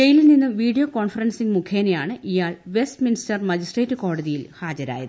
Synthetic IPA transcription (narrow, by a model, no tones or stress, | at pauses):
ejililninːɨmʋiːɽijoːko̞ːɳfɐrɐnsiŋmukʰeːnejaːɳɨʔijaːɭʋe̞stministɐrmɐd͡ʑisʈreːtːuko̞ːɽɐðijilhaːd͡ʑɐɾa̰ːjɐ̰ðɨ